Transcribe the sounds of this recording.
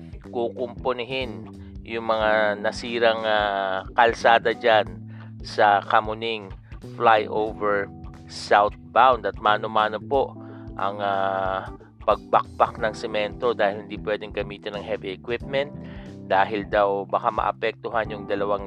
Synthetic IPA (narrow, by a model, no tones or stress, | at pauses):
kukʊmponɪɦɪn | jʊŋmɐŋanɐsiːɾɐŋakɐlsaːd̪ɐd͡ʒan | sɐkɐmʊnɪŋ | flajʔowvɛɹ | sawt̪̚bawnd̪ɐt̪̚maːnomaːnopo̞ʔʔɐ̰ŋa | pɐɡ̚bɐk̚baknɐŋsɛmɛnt̪o̞d̪aːhɪlhɪnd̪ipwɛd̪ɪŋɡɐmiːt̪ɪnːɐŋɦɛviɛkwɪp̚mɛnt̪̚d̪̥aːɦɪld̪awbakamɐ̰ʔɐ̰pɛk̚t̪ʊɦanjʊŋd̪ɐlɐwaŋ